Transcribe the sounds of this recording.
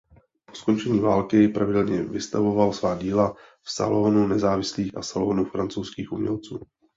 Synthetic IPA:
posko̞nt͡ʃɛɲiːvaːlkɪpɾavɪdɛlɲɛvɪst̪avo̞valsvaːɟiːla | fsa̰lonunɛzaːvɪsliːxʔa̰saloːnufɾant͡sowskiːxʔumɲɛ̰lt͡suː

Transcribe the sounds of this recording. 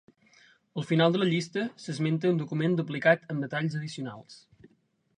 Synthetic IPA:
əlˠfinalˠd̪ələʎist̪əsəzment̪əund̪ukumend̪uplikat̪əmd̪ət̪aʎzəð̞isiuna̰lˠs

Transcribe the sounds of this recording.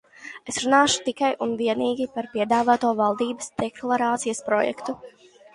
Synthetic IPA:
e̞sɾunaːʃu̥t̪ikajʔunviɛniːɡʲipaɾpiɛd̪aːvaːt̪uɔvalˠd̪iːbə̥sd̪̥ɛklˠaɾaːt̪sijɐspɾɔjɛ̰kt̪u

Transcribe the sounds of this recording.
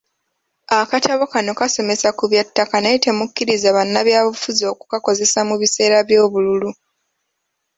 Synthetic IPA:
akatʰaβokano̞kaso̞me̞sakuβjatːakanaite̞mukːiɾizaβanːaβjaːβufuzio̞ːku̥kako̞ze̞samuβise̞ːɾaβjo̞ːβululu

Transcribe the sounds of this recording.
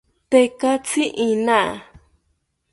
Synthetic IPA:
t̪ekat͡siʔĩnã

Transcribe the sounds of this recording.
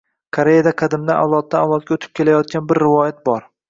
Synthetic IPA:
kʰaɾejad̪aqʰɑd̪ɪmd̪aa̰wlˠɒt̪̚ːaawlˠɒt̪̚ɡʲaot̪ʰɪ̥p̚kʲʰe̞lajɒt̪̚kʲanbɪɾːɪvɒjat̪̚bɒɾ

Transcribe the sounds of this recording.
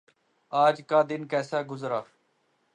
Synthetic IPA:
aːd͡ʒkaːd̪ɪnkɛːsaːɡʊzɾaː

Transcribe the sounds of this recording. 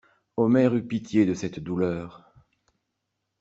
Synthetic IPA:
ɔmɛʁypit̪jed̪əsɛt̪d̪ulœːʁ

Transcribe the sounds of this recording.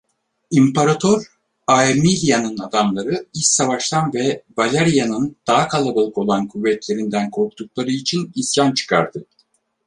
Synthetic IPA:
impʰaɾat̪ʰoɾ | aemilʲijanɯnad̪amlˠaɾɯist̪savaʃt̪anvɛbalʲaɾijanɯnd̪̥aɦakʰalˠabalˠɯko̞lˠankʰuvːɛt̪lʲe̞ɾind̪ænkʰo̞ɾkt̪uklˠaɾɯit͡ʃʰinisjant͡ʃʰɯ̥kʰa̰ɾd̪ɯ

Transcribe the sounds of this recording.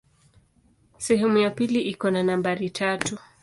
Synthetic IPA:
sɛɦɛmujapiliʔikɔnanambaɾitʰatu

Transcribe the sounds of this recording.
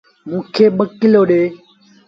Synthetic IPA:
mũːkʰeːɓəkːɪloːɗeː

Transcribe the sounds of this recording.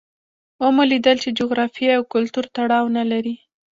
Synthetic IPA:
omolid̪əlt͡ʃed͡ʒoɣɾɑfieawkʊlt̪uɾt̪aɽɑwnalaɾi

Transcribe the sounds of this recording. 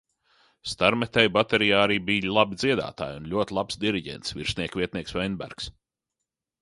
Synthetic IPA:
st̪aɾmɛt̪ɛjbat̪eɾijaːɾibijlˠabid̪ziɛd̪a̰ːt̪a̰ːjunlʲuɔt̪ʲlˠapsd̪iɾiɟʲɛ̰nt̪sviɾsʲnʲiɛkvʲiɛt̪nʲiɛksvɛjnbæ̰ɾks

